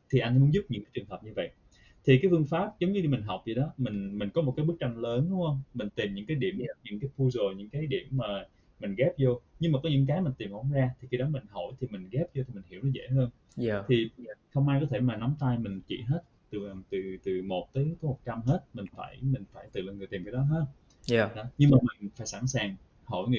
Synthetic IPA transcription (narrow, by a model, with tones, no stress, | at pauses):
t̪ʰi˨˩ʔa˧jŋ̟mu˧˦ənzʊ˦˥p̚ɲɨ̰˧˥ŋkaː˨˦jt͡ɕɨ˨˩ŋɦəː˨˩p̚ɲɨ˧və̰˧˨jʔ | t̪ʰi˨˩kaː˨˦fɨ˧əŋfaː˦˥p̚zə˨˦ŋ͡mɲɨ˧i˧mï˨˩ŋ̟ɦa˨˩wk͡p̚zḭ˧˨ɗɔ˨˦mï˨˩ŋ̟mï˨˩ŋ̟kɔ˨˦mo˨˩aː˨˦ɓɨ˦˥k̚t͡ɕa˧nləː˨˦nɗʊ˨˦hə˧wŋ͡mmï˨˩ŋ̟t̪i˨˩mɲɨ̰˧˥ŋkaː˨˦jɗi˧˨əmʔa˨˩ɲɨ˧˥ŋkaː˨˦jpʰu˧szo˨˩jɲɨ̰˧˥ŋkaː˨˦jɗḭ˧˩əmːaː˨˩ | mï˨˩ŋ̟ɣɛ˦˥p̚zo˧ɲɨ˧ŋmaː˨˩kɔ˨˦ɲɨ̰˧˥ŋk̬aː˨˦jmï˨˩ŋ̟t̪i˨˩mʔo˧˩˦zaː˧t̪ʰi˨˩i˧ɗɔ˨˦mï˨˩ŋ̟ɦo̰˧˩˨jt̪ʰi˨˩mï˨˩ŋ̟ɣɛ˦˥p̚zo˧t̪ʰi˨˩mï˨˩ŋ̟hi˧˩əwnɔ˨˦zḛ˧˥ɦəː˧n | t̪ʰi˨˩˧zxə˧wŋ͡mʔaː˧jkɔ˨˦t̪ʰe˧˩maː˨˩na˨˦wmt̪aː˧jmï˨˩ŋ̟t͡ɕḭ˧˩ɦe˦˥t̚t̪ɨ˨˩˨t̪ɨ˨˩t̪ɨ˨˩mo˨˩t̚t̪əː˨˦jkɔ˨˦mo˨˩t̚t͡ɕa˧mɦe˦˥t̚mï˨˩ŋ̟fa̰ː˧˩jmï˨˩ŋ̟faː˧˩jt̪ɨ̰˧˨lnŋɨ˨˩jt̪i˨˩mkːɗɔ˨˦ɦəː˧˩ | ɗɔ˨˦ɲɨ˧ŋmaː˨˩mï˨˩ŋ̟faː˧˩˦jsa̰˧˩nsaː˨˩ŋ | ho̰˧˩jŋḭ˧˨